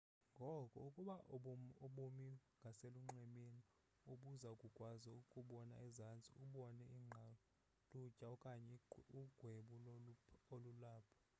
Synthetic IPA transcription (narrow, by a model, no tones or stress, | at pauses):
ŋɡʱɔkʼɔukʼuɓaoɓumiŋɡʱaseluŋ͡ǁʱɛmeni | oɓuzaukʼukʼwazaukʼuɓɔnaizant͡sʼḭuɓɔnɛiŋ͡ǁʱa | lʼu̥ʒ̥ʱʼaɔkʼaɲɛuɡ̥ʱweɓu | olulaːpʰɔ̥